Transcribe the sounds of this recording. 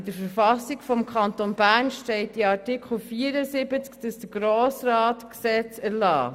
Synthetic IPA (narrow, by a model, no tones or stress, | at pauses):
dəɾfəɾfɑsikfɔmkʰɑntonbæɾnʃtɛɪt̚diɑtɪkʰχl̩fiːəɾəsɪbət͡skd̥əsd̥əɡ̥ɾoːsrɑːtksɛt͡sæɾlɑ̰ː